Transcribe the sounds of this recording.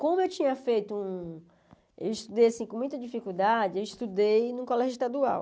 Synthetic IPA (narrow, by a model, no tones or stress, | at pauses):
kõmʊewt͡ʃĩɲɐfejt̪ʊũ | ḛwiʃt̪ud̪ejasĩkõmũj̃t̪ɐd͡ʒifikuwd̪ad͡ʒɪewiʃt̪ud̪ejnũkɔlɛʒʊiʃt̪ad̪ua̰w